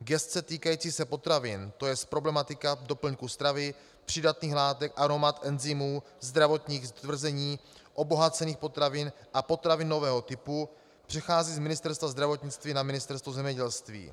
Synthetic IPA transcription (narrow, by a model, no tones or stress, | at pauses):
ɡɛst̪t͡sɛt̪iːkajiːt͡siːsɛpo̞t̪ɾavɪnt̪o̞jɛspɾo̞blɛmat̪ɪkado̞pl̩ɲkust̪ɾavɪ | pr̝̥ɪdat̪niːxlaːt̪ɛkʔaɾo̞mat̪ʔɛnzɪmuː | zd̪ɾavo̞t̪ɲiːɣzt̪vr̩zɛɲiːʔo̞bo̞ɦat͡sɛniːxpo̞t̪ɾavɪnʔapo̞t̪ɾavɪnːo̞vɛːɦo̞t̪ɪpu | pr̥ɛxaːziːzmɪnɪst̪ɛɾst̪vazd̪ɾavo̞t̪ɲɪt͡st̪viːnamɪnɪst̪ɛɾst̪vuzɛmɲɛɟɛlst̪vḭː